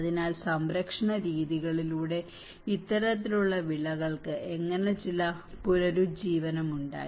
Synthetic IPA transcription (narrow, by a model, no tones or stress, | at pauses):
ɐðinaːlsɐmɾɐkʂɐɳɐɾiːðiɣɐɭiluːɽe̞ | it̪ːɐɾɐt̪ːiluɭːɐʋiɭɐɣɐɭkɨʔeŋːɐnet͡ɕilɐpuɾɐɾud͡ʑiːʋɐnɐmuɳɖa̰ːji